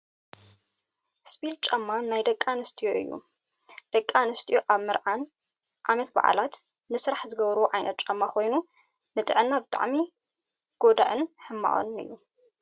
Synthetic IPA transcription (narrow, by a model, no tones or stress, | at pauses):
spʰid̪̚t͡ʃʼɐmːanajd̪ɐkʼːanɨst̪ʰʼijoʔɨjːṵd̪̥ɐkʼːanɨst̪ʰʼijoʔaβmɨɾanʔamɛt̪ba̰ʕa̰lat̪nɨsɾaħzɨɡɐβɾwʕajnɐt̪̚t͡ʃʼɐmːako̞jnunɨt̪ʼɨʕɨnːabɨt̪ʼa̰ʕmi | ɡ̥o̞d̪a̰ʕɨnħɨmːa̰ʔo̰nɨ̰jːu